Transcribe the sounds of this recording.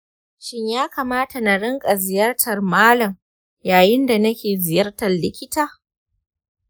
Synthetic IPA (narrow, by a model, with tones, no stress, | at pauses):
ʃɪ˦ɲjaː˦kaː˨maː˦ta˨na˨ɽɪ˦ŋkʼa˨zɪ˨jɐ˦rtʰɐ˨rmaː˦lɐ˨m | jaː˨jɪ˦nda˨nɐ˦kʲeː˨zɪ˨jɐ˦rtɐ˨llːɪ˦kʲɪ˦taː˨